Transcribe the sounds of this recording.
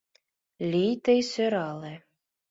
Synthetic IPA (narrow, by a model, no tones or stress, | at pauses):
lʲijt̪ɘ̆jsøɾɑle